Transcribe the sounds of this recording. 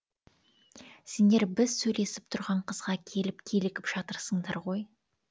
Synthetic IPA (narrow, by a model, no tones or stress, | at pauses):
se̞nd̪e̞ɾbɪzsɵjle̞sɪ̥p̚t̪ʰʊɾʁɑɴqʰəzʁɑkʲʰe̞lɪpkʲʰe̞lɪkʲɪpʒ̥ɑt̪əɾsəɴd̪ɑ̰ɾʁo̞j